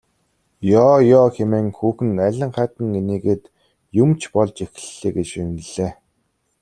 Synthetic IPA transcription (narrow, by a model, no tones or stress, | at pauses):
jɔːjɔːxemeːŋxuːxɘ̆næɮʲə̆ɴχæːt̪ə̆ŋeniːɡeːt̪ | jumt͡ɕʰpɔɮt͡ɕex̆ɬːeːɡet͡ɕinɘ̆ɮeː